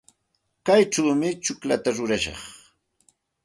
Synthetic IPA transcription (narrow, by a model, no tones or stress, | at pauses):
kajʈ͡ʂawmɪt͡ʃʊklat̪aɾʊɾaʃɑ̰χ